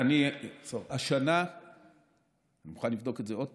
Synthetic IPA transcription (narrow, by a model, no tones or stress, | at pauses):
anisovaʃana | animuχanlivd̪o̞kezeo̞d̚